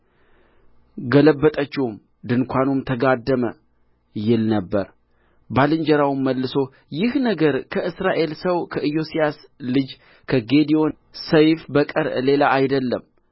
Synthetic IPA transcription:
ɡələbːət̪ʼət͡ʃːɪum | d̪ɨnkʷanumt̪ʰəɡad̪ːəmə | jɪlnəbːəɾ | balɨɲd͡ʒəɾawmːəlːɨso̞ | jɪhnəɡəɾkʰəʔɨsɾaʔe̞lsəwkʰəʔɨjo̞sijaslɨd͡ʒ | kʰəɡe̞d̪io̞n | səjfbəkʼəɾle̞laajd̪əlːəm

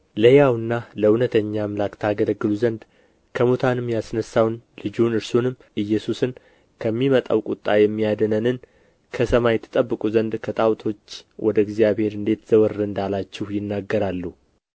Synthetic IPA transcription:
ləjawɨnːaləunət̪ʰəɲːamlakt̪ʰaɡələɡːɨluzənd̪ | kʰəmot̪ʰanɨmːjasnəsːawnlɨd͡ʒunɨɾsonɨm | ʔɨjːɛsusɨn | kʰəmːimət̪ʼa̰wkʼut̪ʼːajɛmːijad̪ənənɨn | kʰəsəmajɛt̪ʰɨ̥t̪ʼəbːɨkʼuzənd̪kʰət̪ʼawt̪ʰo̞t͡ʃːwʔɔd̪əɡzijaβhe̞ɾɨnd̪e̞t̪z̥əwəɾːɨnd̪alat͡ʃːɛhjɪnːaɡːəɾalːuh

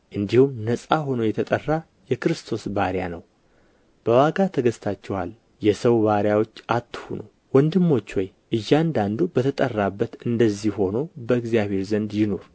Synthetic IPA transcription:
ʔɨnd̪ihumnəsʼaho̞nojɛt̪ʰət̪ʼərːa | jɛkɨɾɨst̪ʰo̞sbaɾjanəw | b̥əwaɡat̪ʰəɡəst̪ʰat͡ʃːɛwa̰l | jɛsəwβaɾjawo̞t͡ʃːat̪ːɨhunow | wɔnd̪ɨmːo̞t͡ʃːwɔj | ʔɨjːand̪and̪ubət̪ʰət̪ʼərːabːət̪ɨnd̪əzːihho̞no̞bəɨɡzijaβhe̞ɾzənd̪jɪno̞ɾ

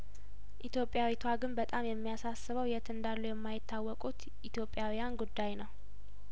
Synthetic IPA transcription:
ʔit̪ʰjo̞pʼjawit̪ʰwaɡɨnbət̪ʼamjɛmːijasasːɨβəwjɛt̪ʰɨnd̪alːujɛmːajɪt̪ːawːɔkʼut̪ | ʔit̪ʰjo̞pʼːjawijanɡud̪ːajnəw

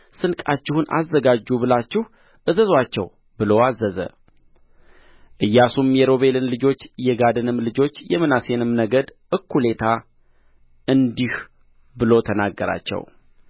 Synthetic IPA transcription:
sɨnkʼat͡ʃːɪhunʔa̰zːəɡad͡ʒːubɨlat͡ʃːɪh | ʔɨzəzwat͡ʃːɛ̰w | bɨloazːəzə̰ | ʔɨjːasumjɛɾo̞βe̞lɨnlɨd͡ʒo̞t͡ʃːjɛɡad̪ɨnɨmlɨd͡ʒo̞t͡ʃːjɛmɨnase̞nɨmnəɡəd̪ʔɨkːule̞t̪ʰa | ʔɨnd̪ih | bɨlo̞t̪ʰənaɡːəɾa̰t͡ʃːɛ̰w

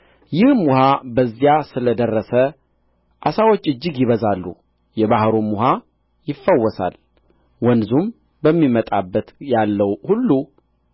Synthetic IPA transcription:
jɪhmːʊhabəzːijasɨləd̪ərːəsə | ʔasawot͡ʃːɨd͡ʒːɪɡjɪβəzalːu | jɛβahɾomːʊɦa | jɪfːəwːɔsa̰l | wɔnzum | bəmːimət̪ʼabːət̪jalːəwhulːu

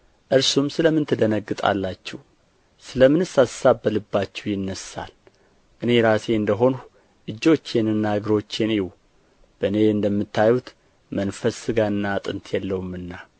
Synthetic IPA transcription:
ʔɨɾsumsɨləmɨnt̪ʰɨd̪ənəɡːɨt̪ʼa̰lːat͡ʃːɛw | sɨləmɨnɨsasabːəlɨbːat͡ʃːɛwjɪnːəsa̰l | ʔɨne̞ɾase̞ɨnd̪əɦo̞nu | ʔɨd͡ʒːo̞t͡ʃːenɨnːaɨɡɨɾo̞t͡ʃːeniw | b̥əɨne̞ɨnd̪əmːɨt̪ʰːajut̪ | mənfəsɨɡaɨnːat̪ʼɨnt̪ʰjɛlːəwumɨnːa

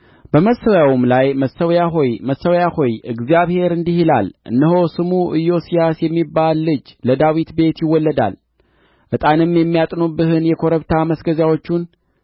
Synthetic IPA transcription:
b̥əməsːəwjawmlajməsəwjaɦojməsːəwjahojɨɡzjaβhe̞ɾɨnd̪ihila̰lʔɨ̰nːəho̞sɨmuʔɨjo̞sijasjɛmːibalːɨd͡ʒləd̪awit̪be̞t̪jɪwːɔlːəd̪a̰l | ʔɨt̪ʼanɨmːjɛmːijat̪ʼnubɨhɨnjɛkʰo̞ɾəβt̪ʰaməsɡəzjawo̞t͡ʃːun

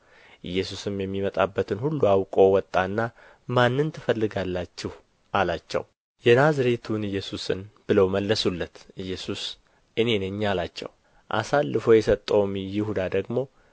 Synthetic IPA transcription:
ʔɨjːɛsusɨmjɛmːimət̪ʼabːət̪ʰɨnhulːuawkʼo̞wɔt̪ʼːanːa | manːɨnt̪ʰɨfəlːɨɡalːat͡ʃːɪh | ʔalat͡ʃːɛ̰w | jɛnazɾet̪ʰunɨjːɛsusɨ̰nb̥ɨləwməlːəsulːət̪ʔɨjːɛsus | ʔɨne̞neɲːalat͡ʃːɛ̰w | ʔa̰salːɨfo̞jɛsət̪ʼːəwmjɪhud̪ad̪əɡmo̞

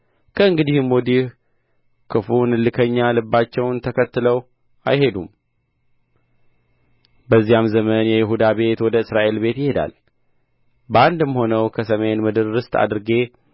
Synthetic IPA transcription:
kʰəɨŋɡɨd̪ihmod̪ih | kʰɨfunɨlːɨkʰəɲːalɨbːat͡ʃːɛwnt̪ʰəkʰət̪ːɨləw | ʔajhe̞d̪um | bəzːijamzəmənjɛjɪɦud̪abe̞t̪wɔd̪əɨsɾaʔe̞lbe̞t̪jɪhe̞d̪a̰l | bəand̪ɨmho̞nəwkʰəsəme̞nmɨd̪ɨɾːɨst̪a̰d̪ɨɾɨɡe̞

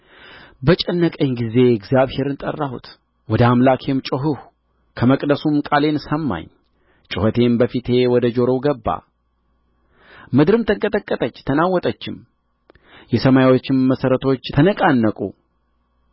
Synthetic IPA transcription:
bət͡ʃʼɛnːəkʼəɲɡize̞ɛɡzjaβhe̞ɾɨnt̪ʼə̰rːahṵt̪ | wɔd̪əamlakʰe̞mt͡ʃʼoɦuh | kʰəməkʼd̪əsumkʼale̞nsəmːa̰ɲː | t͡ʃʼɨhət̪ʰe̞mbəfit̪ʰe̞wɔd̪əd͡ʒo̞ɾo̞ɡəbːa̰ | mɨd̪ɾɨmt̪ʰəŋkʼət̪ʼəkʼːət̪ʼət͡ʃːt̪ʰənawːɔt̪ʼət͡ʃːɪm | jɛsəmajwot͡ʃːɪmːəsəɾət̪ʰo̞t͡ʃːt̪ʰənəkʼanːəkʼṵ

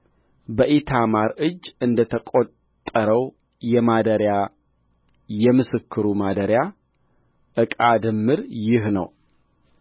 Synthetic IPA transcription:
bəʔet̪ʰamaɾɨd͡ʒːɨnd̪ət̪ʰəkʷʼot̪ʼːəɾəw | jɛmad̪əɾja | jɛmɨsɨkʰːɨɾumad̪əɾja | ʔɨkʼad̪ɨmːɨɾjɪɦnə̰w

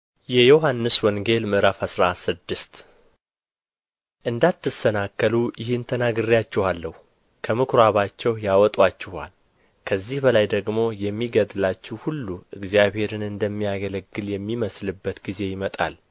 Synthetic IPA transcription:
jɛjoɦanːɨswɔŋɡe̞lmɨʔɾafəsɾasɨd̪ːɨst̪ | ʔɨnd̪at̪ːɨsənakːəlujɪhɨnt̪ʰənaɡɨrijat͡ʃːɛhalːəhu | kʰəmɨkɾaβat͡ʃːɛwjawɔt̪ʼwat͡ʃːɪha̰l | kʰəzːihbəlajd̪əɡmo̞jɛmːiɡəd̪ɨlat͡ʃːɛwhulːuɨɡzijaβhe̞ɾɨnɨnd̪əmːijaɡələɡːɨljɛmːiməslɨbːət̪ɡize̞jɪmət̪ʼa̰l

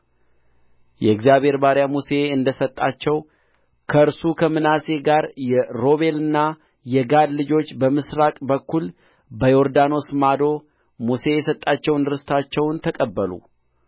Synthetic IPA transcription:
jɛɨɡzjaβʱhe̞ɾbaɾjamuse̞ɨnd̪əsət̪ʼːat͡ʃːɛw | kʰəɨɾsukʰəmɨnase̞ɡaɾjɛɾo̞βe̞lɨnːa | jɛɡad̪lɨd͡ʒo̞t͡ʃːbəmɨsɾakʼbəkʰːul | bəjo̞ɾd̪ano̞smad̪o̞ | muse̞jɛsət̪ʼːat͡ʃːɛwnɨɾɨst̪ʰat͡ʃːɛwnt̪ʰəkʼəbːəlṵ

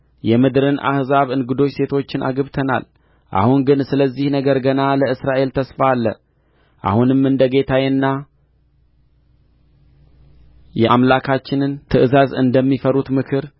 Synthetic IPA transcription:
jɛmɨd̪ɾɨnʔa̰hzaβɨnɡɨd̪o̞t͡ʃːse̞t̪ʰo̞t͡ʃːɪnʔa̰ɡəβt̪ʰəna̰l | ʔa̰hunɡɨnsɨləzːihnəɡəɾɡənaləɨsɾaʔe̞lt̪ʰəsfaːlːə̰ | ʔa̰hunɨmɨnd̪əɡe̞t̪ʰajnːa | jɛʔamlakʰat͡ʃːɪnɨnt̪ʰɨʔɨzazɨnd̪əmːifəɾut̪mɨkʰɨɾ

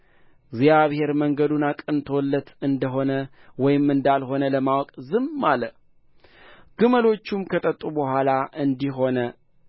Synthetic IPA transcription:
ɡzjaβhe̞ɾməŋɡəd̪unakʼɨnt̪ʰolːət̪ɨnd̪əɦo̞nəwɔjɪmɨnd̪alɦo̞nələmawɔkʼzɨmːalə | ɡ̥ɨməlo̞t͡ʃːumkʰət̪ʼət̪ʼːubəhʷalaʔɨnd̪iɦo̞nə

